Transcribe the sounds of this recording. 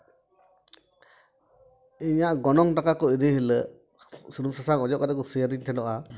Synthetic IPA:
iɲaɡɔnɔŋtakakɔidiɦilə | sɯɾumsasaŋɔd͡ʒɔʔkadakɔsɯjadintʰɛnɔʔa

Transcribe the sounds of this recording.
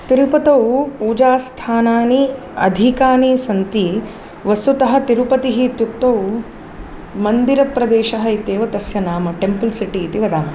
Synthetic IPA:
t̪iɾupɐt̪ɐwpuːd͡ʒaːst̪ʰaːnaːni | ɐ̰d̪ʱikaːnisɐnt̪i | ʋɐst̪ut̪ɐɦɐ̆t̪iɾupɐt̪iɦit̪juk̚t̪ːɐw | mɐnd̪iɾɐpɾɐd̪eːʃɐɦɐit̪eːʋɐt̪ɐsjɐnaːmɐʈempɐlsiʈiːt̪iʋɐd̪aːmɐ

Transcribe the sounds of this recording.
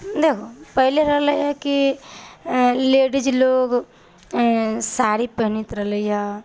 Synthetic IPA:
d̪eːkʰopəɦleɾəɦləjɦɛ̃ki | leːɖid͡ʒloːɡ | saɾipəɦnit̪ɾəɦləjɦɛ

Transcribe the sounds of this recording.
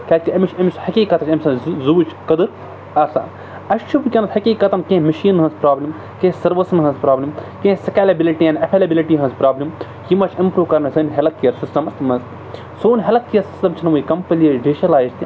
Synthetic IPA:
kʲaːkiɐmit͡ʃʰɐmishɐkʲiːkɐt̪ɐt͡ʃʲɐmʲsɐ̃nzuːt͡ʃʰkɐd̪ɨɾ | ɐɾsa̰ː | ɐʃt͡ʃʰupkʲɐnɐshɐkʲiːkɐt̪ɐnkẽːmɐʃiːnɦɐ̃nzpɾaːblʲim | kẽːsɐɾʋɐsɐnɦɐ̃nzpɾaːblʲimkẽːsɐkaːlɐbiliʈiɐnɐpʰelɐbiliʈiːɦɐ̃nzpɾaːblim | jimɐt͡ʃʰimpɾuːkɐɾnɐsɨːnɦelɐk̪̚kijɐɾsistɐmɐst̪mɐns | soːnʲɦelɐk̪̚kijɐɾsi̥stɐmt͡ʃʰinmɨikɐmpɐliɐɖeːʃɐlaːjzt̪ʲi

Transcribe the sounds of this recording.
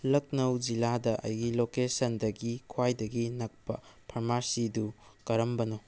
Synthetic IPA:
lɐk̚nɐwd͡ʒiladɐʔɐ̰jɡilokesɐndɐɡikʰwajdɐɡinɐk̚pɐpʰɐɾmaɾsidukɐɾɐmbɐno

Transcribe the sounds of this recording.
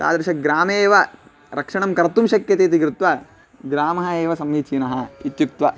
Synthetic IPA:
t̪a̰ːd̪ɾɐʃɐɡɾaːmeːʋɐ | ɾʔɐkʂɐɳɐmkɐɾt̪umʃɐkjɐt̪eːt̪̬iɡɾut̪ʋɐ | ɡɾaːmɐɦɐeːʋɐsɐmɡiːt͡ʃiːnɐɦɐit̪juk̚t̪ʋɐ

